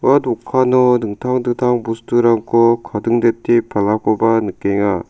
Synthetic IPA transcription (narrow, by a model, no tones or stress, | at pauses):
wadokʰanonɯŋtʰaŋdɯŋtʰaŋbustʰuɾaŋkʰokʰadɯŋdetʰipalːakʰobanɯk͈eŋa